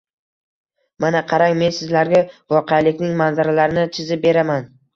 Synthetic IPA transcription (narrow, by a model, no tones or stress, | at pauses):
manaqʰɑɾaŋme̞nsɪzlaɾɡʲavɒqʰealɪkʲnɪŋmanzaɾalaɾɪnɪt͡ʃʰɪzɪp̚be̞ɾaman